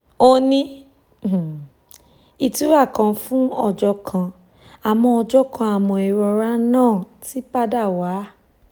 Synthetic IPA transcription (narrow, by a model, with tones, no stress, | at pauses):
o˧nĩ˦˨ | i˨tu˨˦ɾa˦˨kã˧fũ˦ɔ̰˧˨d͡ʒɔ˧kʰã˧ | a˨mɔ̃˧ɔ˧d͡ʒɔ˦kʰã˧a˨mɔ̃˧i˨˧ɾɔ˧ɾa˦nãː˦˨ | ti˦pa˦da˦˨waː˨˦